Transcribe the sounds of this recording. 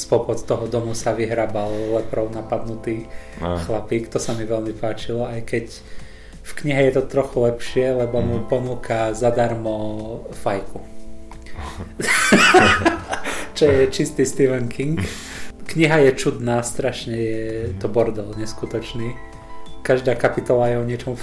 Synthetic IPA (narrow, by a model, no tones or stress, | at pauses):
spɔpɔt̪t̪ɔɦɔd̪ɔmusaʋiɦɾaːballɛpɾɔʊnapad̪nut̪iː | xlapiːkt̪ɔsamiʋɛlmipaːt͡ʃilɔajkɛc | fkɲiɦɛjɛt̪ɔt̪ɾɔxulɛpʃɪɛlɛbɔmupɔnuːkazad̪aɾmɔfajku | t͡ʃɔjɛt͡ʃist̪ist̪iʋɛŋkiŋk | kɲiɦajɛt͡ʃud̪naːst̪ɾaʃɲɛjɛt̪ɔbɔɾd̪ɔlɲɛskut̪ɔt͡ʃniː | kaʒd̪aːkapit̪ɔlajɛɔɲɪɛt͡ʃɔmu